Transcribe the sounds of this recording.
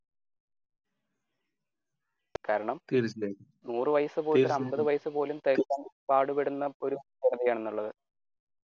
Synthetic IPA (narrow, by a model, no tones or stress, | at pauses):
kaːɾɐɳɐmt̪iɾit͡ɕːeːku | nuːrɨʋɐjɐsɨpoːɐɐmbɐðɨʋɐjɐsɨpo̞ːlumt̪ɐɾikːɐːnpaːɽupeɽunːɐo̞ɾukeɳɐðijaːɳenːuɭːɐðɨ